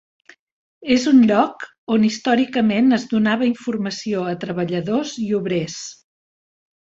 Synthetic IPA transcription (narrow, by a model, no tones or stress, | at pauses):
ezunʎɔk | onist̪ɔɾikəmenəzðunaβəiɱfurməsioət̪ɾəβəʎəðoziuβɾes